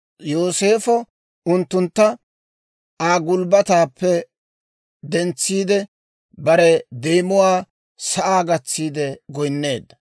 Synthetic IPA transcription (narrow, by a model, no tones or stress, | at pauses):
jo̞ːse̞ːfɔ | ʊnt̪ːʊnt̪ːɐ | aːɡʊlbɐt̪aːpːɛ | d̪ɛnt͡sːiːd̪ɛ | bɐɾɛd̪eːmʊwaː | sɐʔaːɡɐt͡sːiːd̪ɛɡɔjnːe̞ːd̪ɐ